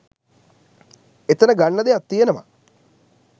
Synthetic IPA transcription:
et̪ɐnəɡaɳːɐd̪eat̪ːijenəma̰

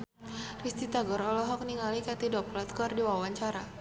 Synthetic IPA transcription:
rist̪it̪aɡɔɾɔlɔɦɔk̚niŋalikat̪idɔplat̪̚kɔrdiwawaɲt͡ʃaɾa

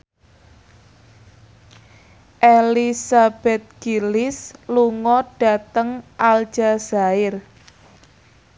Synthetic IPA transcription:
ʔelisab̥ɛt̪̚ɡ̥ilɪsluŋɔɖ̥a̤t̪əŋʔald̥ʒ̥az̥aɪr

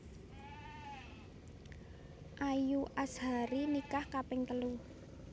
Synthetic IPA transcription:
ʔajuʔasha̤ɾinikahkapɪŋt̪əlu

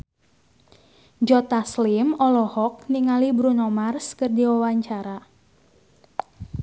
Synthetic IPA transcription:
d͡ʒɔt̪aslimɔlɔhɔk̚niŋalibɾunɔmarskɨrdiwawaɲt͡ʃaɾa

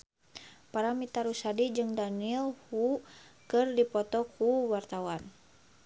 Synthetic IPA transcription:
paɾamit̪aɾusadid͡ʒɨŋdanilhukɨrdipɔt̪ɔkuwart̪awan

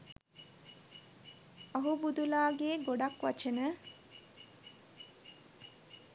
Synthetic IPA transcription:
aɦubud̪ulaːɡeːɡoɖakʋa̰t͡ʃənə

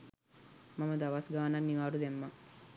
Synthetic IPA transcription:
mɐmɐd̪ɐʋasɡaːnanːiʋaːɾud̪emːa

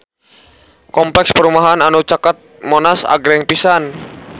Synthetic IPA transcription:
kɔmplɛkspəɾumaɦananut͡ʃakat̪̚mɔnasa̰ɡɾɛŋpisan

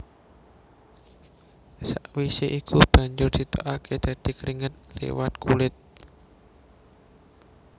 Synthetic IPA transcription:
saʔwiseʔikʰub̥a̤ɲd͡ʒʊrd̪̥it̪oʔakʰed̪̥a̤d̪̥i̤kɾiŋət̪̚lḛwat̪̚kulɪt̪̚

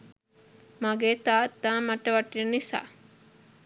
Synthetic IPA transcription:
maɡeːt̪aːt̪ːaːmaʈəʋaʈːinisa̰ː

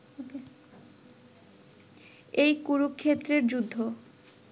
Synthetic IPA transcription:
o | ejkuɾukkʰːet̪ːɾeɾd͡ʑud̪ʱːo

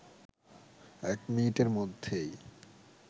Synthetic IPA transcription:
ɛkminiʈeɾmod̪ʱːej

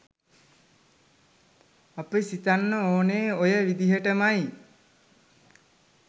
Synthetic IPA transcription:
apəsit̪anːəoːneːojəʋid̪iɦəʈəmaj

